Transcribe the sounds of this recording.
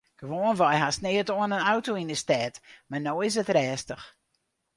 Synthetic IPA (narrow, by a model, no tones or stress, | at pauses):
ɡ̥əʋoːənvajɦasnɪːətoənənawtoinəstɛːtmanoːɪs̬ətrɛːstəx